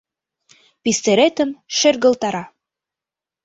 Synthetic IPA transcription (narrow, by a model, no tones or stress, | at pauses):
pist̪eɾet̪ɘ̆mʃɘrɡɤ̆lˠt̪ɑɾɑ